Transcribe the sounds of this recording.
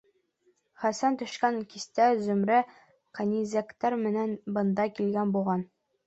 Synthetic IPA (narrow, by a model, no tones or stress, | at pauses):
χæsænt̪ɵ̆ʃkæŋkist̪æzɵ̆mɾæ | qænʲizækt̪æɾmɘ̆nænbɤ̆nd̪ɑkilɡænbulˠʁɑn